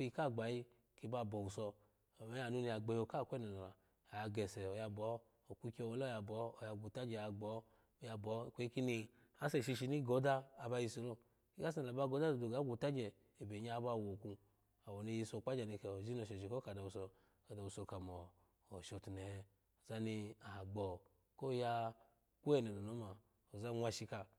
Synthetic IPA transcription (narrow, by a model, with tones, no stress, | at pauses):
i˧ka˦˨ɡ͡ba˨ji˧ | ki˧˦ba˧˨bɔ˨u˨sɔ˧˨ | mɛ˨˦a˨nu˦ni˧a˨ɡ͡bɛ˨jo˧ka˦˨kʷɛ˦nɛ˨na˨la˨ | a˨a˧ɡɛ˨sɛ˨ɔ˨ja˧bɔ˨˦ | o˨ku˦˧kʲi˦ɔ˧wɔ˨˦lɔ˦ja˧bɔː˨˦˨ja˧˨ɡʷu˨ta˦d͡ʒɛ˨a˧ɡ͡bɔ˨˦˨ | ja˧bɔ˨˦˨kʷe˦i˦ki˦ni˧ | a˨˦sɛ˨ʃi˧ʃi˧˦ni˦ɡɔ˨˦daː˦˨ba˧ji˧so˧lo˦ | i˦ka˦s̬n˨la˨ba˧˦ɡo˨˦da˦o˨do˨ɡa˨˦ɡʷu˨ta˦d͡ʒɛː˨ | be˨ɲa˦˧˦ba˧˨wo˨ku˧ | a˨wo˨ni˧ji˧so˧˨k͡pa˦d͡ʒa˨ni˧ka˨o˨zi˦no˨ʃɔ˨ʃi˨ko˦ka˨da˨u˨so˧ | ka˨da˨u˧so˧˨ka˨mɔː˨ | ʃo˨˧ti˨nɛ˨˦ | o˨za˦ni˧a˨ɡ͡bɔ˨ | ko˦˨ja˧ | ku˦ɛ˦˨nɛ˨no˨no˨˦ma˨ | o˨za˦ŋʷ˦a˧ʃi˧ka˧